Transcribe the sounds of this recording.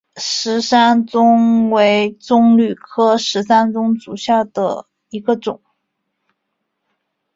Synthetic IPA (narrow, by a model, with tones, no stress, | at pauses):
ʂɻ̩˧˥sa˥nt͡sʊ˥ŋwe˧˥ɪt͡sʊ˥ŋly˨˩kʰɤ˥ʂɻ̩˧˥sa˥nt͡sʊ˥ŋt͡su˨˩ɕja˥˩d̪ə̰˩ | i˧˥ɡə˧ʈ͡ʂʊ˨˩˦ŋ